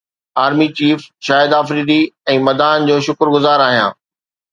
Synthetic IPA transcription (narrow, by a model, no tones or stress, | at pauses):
aːɾmit͡ɕiːfʃaːɪd̪aːfɾiːd̪iɛ̃ːmɐd̪aːnd͡ʑoːʃʊkɾɡʊzaːɾaːɦijã̰ː